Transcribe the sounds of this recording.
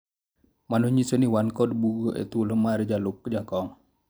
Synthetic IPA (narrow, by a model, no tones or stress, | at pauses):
manuɲisəniwankɔdbuɡɔʔḛt̪uləmaɾid͡ʒalukːəd͡ʒakɔŋ